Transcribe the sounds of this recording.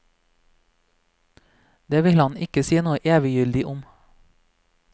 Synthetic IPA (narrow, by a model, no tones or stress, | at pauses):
d̪eːʋɪlhɑnɪkəsiːənoːəʔeːʋɪjʏld̪ɪʔʊm